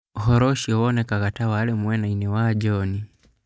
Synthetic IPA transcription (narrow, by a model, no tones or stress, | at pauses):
hɔɾɔʃiɔwɔnɛkaɣatawalɛmwɛnainɛwad͡ʒɔni